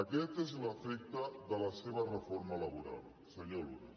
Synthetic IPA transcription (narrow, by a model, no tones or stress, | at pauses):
əkɛt̪ezləfek̚t̪əðələseβərəfoɾmalɐβuɾa̰lˠ | səɲoluɾa̰